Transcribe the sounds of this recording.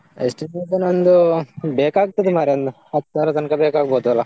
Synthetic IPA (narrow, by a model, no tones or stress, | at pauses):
esʈimesɐnɐnd̪ubeːkaːɡ̚t̪ɐd̪imaːɾɐnd̪u | ɐt̪ːsaːɾɐt̪ɐnkɐbeːkaːɡɐboːd̪uɐlːɐ